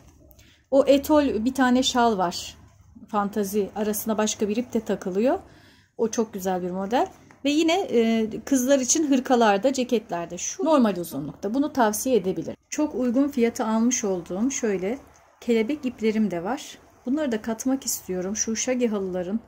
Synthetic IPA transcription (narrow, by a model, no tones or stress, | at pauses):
oʔet̪ʰo̞lʲbit̪ʰaːnɛʃalˠvaɾ̥ | fant̪ʰaziaɾasɯnd̪abaʃkabiɾip̚t̪ʰɛt̪ʰakʰɯlˠɯjo̞ | ot͡ʃʰo̞k̚ɟyzælʲbiɾmo̞d̪ælʲvɛjinɛkʰɯzlˠaɾit͡ʃʰinɦɯɾkʰalˠaɾd̪ad͡ʒecɛt̪lʲæɾd̪ɛʃuno̞ɾmalʲuzunlˠuk̚t̪ʰabunut̪ʰavsijeed̪e̞bilʲḭt͡ʃʰo̞kujɡunfijat̪ʰɯalˠmɯʃo̞lˠd̪uːmʃø̞jlʲɛ | cʰe̞lʲe̞bɛc̚iplʲe̞ɾimd̪ɛvaɾ̥ | b̥unlˠaɾɯd̪akʰat̪makist̪ʰijo̞ɾumʃuʃaɟɯɦalˠɯlˠaɾɯn